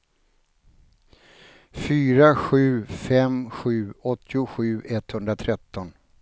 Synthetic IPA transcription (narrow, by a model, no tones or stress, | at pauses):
fyːɾaɧʉ̟ːfɛmɧʉ̟ːɔt̪ʰːɪʊɧʉ̟ːʔɛt̪hɵnd̪ɾat̪ʰɾɛt̪ːɔn